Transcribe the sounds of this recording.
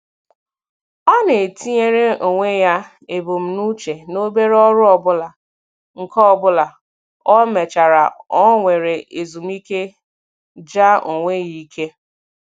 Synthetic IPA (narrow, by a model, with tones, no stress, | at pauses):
ɔ˦ne˨e˨tʰi˦ɲe˦ɾe˦o˨ŋʷe˦ja˦ | e˨bo˨m̩˨nu˦t͡ʃe˨no˦be˦ɾe˦ɔ˦ɾʊ˦ɔ˨bʊ˦la˨ | ŋ̩˨kɔ˦ɔ˨bʊ˦la˨ | ɔ˦me˨t͡ʃa˨ɾa˨ɔ˦ŋʷe˨ɾe˨e˨zu˨m̩˦i˦ke˦ | d͡ʒa˦o˨ŋʷe˦ji˦kʰe˦